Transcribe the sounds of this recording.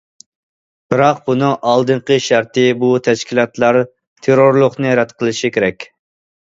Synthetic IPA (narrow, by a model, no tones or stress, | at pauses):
b̥ɨɾɑq̚bunɨŋʔɑlˠd̪ɨɴqəʃæɾt̪ɪbut̪ʰɛʃkʲʰilˠɑt̪lˠɑɾ | t̪ʰeɾoɾlˠʊχnɨɾɛd̪qʰəlˠɨʃikʲʰeɾɛkʲ